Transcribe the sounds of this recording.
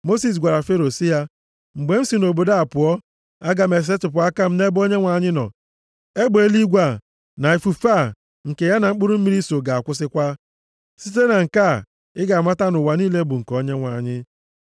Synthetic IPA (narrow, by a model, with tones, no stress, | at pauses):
mo˦si˨s̬ɡʷa˨ɾa˨fe˦ɾo˨si˦ja˦ | ŋ͡m̩˨ɡ͡be˨m̩˦si˨no˨bo˨da˦a˨pʊ˨ɔ˦ | a˦ɡa˨me˨s̬e˦tʊ˨p̬ʊ˨a˦ka˦m̩˦ne˦bo˦ɲe˦ŋʷa˨ɲɪ˦nɔ̰˨ | e˦ɡ͡be˦li˦ɡʷa˨ | na˨e˨fu˨fa˦˨ | ŋ̩˨ke˨ja˦na˨ŋ͡m̩˦k͡pu˦ɾu˦m̩˦mi˦ɾi˦so˨ɡa˨a˨kʷʊ˦s̬ɪ˦kʷa˦ | si˦t̬e˦na˨ŋ̩˨ka˦˨ | ɪ˦ɡa˨a˨ma˦ta˦nʊ˨wa˨niː˦le˦bu˨ŋ̩˨kɔ˦ɲe˦ŋʷa˨ɲɪ˦